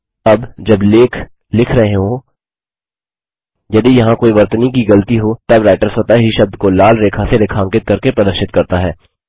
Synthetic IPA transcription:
ɐbd͡ʒɐbleːkʰ | lɪkʰɾɐɦeɦõ | jɐd̪ijɐɦãkoːiʋɐɾt̪nik̬iɡɐlət̪iɦot̪ɐbɾaːɪʈəɾsɦoːt̪aɦiʃɐb̚d̪kolaːlɾeːkʰaseɾɪkʰãːŋkɪt̪̚kɐɾkepɾɐlə̃ʃɪt̪kɐɾt̪aɦɛː

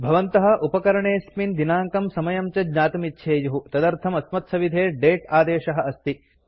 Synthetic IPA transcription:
bʱɐʋɐnt̪ɐɦɐ̆ʔupɐkɐɾɐɳeːsmind̪inaːŋkɐmsɐmɐjɐmt͡ʃɐd̪ɲaːt̪ɐmit̪ːʃʰeːjuɦut̪ɐd̪ɐɾt̪ʰɐmɐsmɐt̪sɐʋid̪ʱeːɖeːʈaːd̪eːʃɐɦɐ̆ɐst̪i

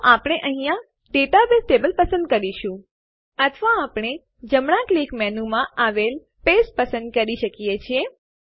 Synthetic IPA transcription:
ʔapɽ̃eʔəɦĩjã | ɖeʈaʋesʈebəlpəsə̃nd̪̚kəɾiʃũ | ət̪ʰʋaːpɳ̃e | d͡ʒəmɳ̃ãklikmɛnũmãʔaʋel | pespəsənd̪̚kəɾiʃəkijet͡ʃʰie

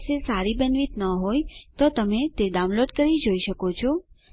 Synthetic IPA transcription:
sesaɾibənʋit̪nəɦojt̪ot̪əmet̪eɖaw̃nloɖkəɾid͡ʒoiʃəkot͡ʃʰo

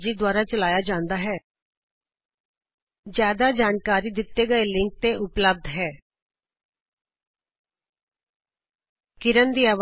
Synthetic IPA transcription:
d͡ʒiːd̪waːɾaːt͡ʃəlaːjaːd͡ʒãːnd̪aːɦɛː | zjaːd̪aːd͡ʒaːnkaːɾiːd̪ɪt̪ːeːɡəeːlɪŋk̚t̪eːʔʊpləb̚d̪ɦɛː | kɪɾənd̪iːaːʋ

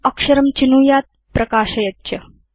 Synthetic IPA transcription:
ɐkʂɐɾɐmt͡ɕinuːjaːt̪̚ | pɾɐkaːʃɐjɐtːɕɐ

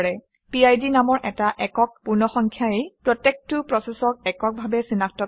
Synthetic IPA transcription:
ɹɛ | piajdinamɔɹʔɛtaʔɛkɔk̚puɹnɔxɔŋkʰjaepɹɔtek̚tʊpɹɔsɛsɔk̚ɛkɔk̚bʱabɛsinaktɔ

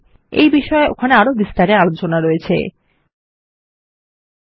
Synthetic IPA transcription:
ḛjbiʃɔeʔo̰kʰaneaɾobist̪aɾealot͡ɕonaɾoet͡ɕʰḛ

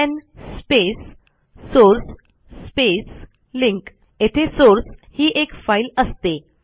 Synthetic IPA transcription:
ɛ̃nspesː | oɾsː | pes | liŋk | et̪ʰesoɾshiːʔekfailəst̪e

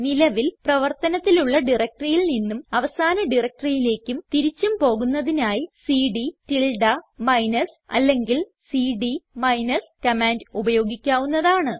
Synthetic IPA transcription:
nilɐʋilprɐʋɐrt̪ɐnɐt̪ːiluɭːɐɖirɐk̚ʈrijilninːumɐʋɐsaːnɐɖirɐk̚ʈrijile̞ːkʲːumt̪iɾit͡ɕːumpo̞ːɣunːɐðinaːjisiːɖitilɖɐmɐjnɐsɐ̰lːe̞ŋɡil | siːɖimɐjnɐskɐmaːndubɐjo̞ːɡikʲːaːʋunːɐðaːɳɨ

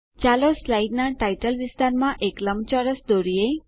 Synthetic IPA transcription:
t͡ʃaloslaiɖnaʈaiʈəlʋist̪aɾmãʔekləmt͡ʃɔɾəsd̪oɾie

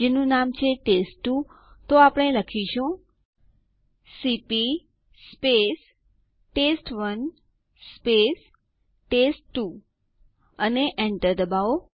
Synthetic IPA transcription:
d͡ʒenũnamt͡ʃʰeʈesʈːu | t̪oapəɽ̃eləkʰiʃũ | sipi | spes | ʈesʈʋən | spes | ʈesʈːu | əneʔɛɳʈəɾd̪əbao

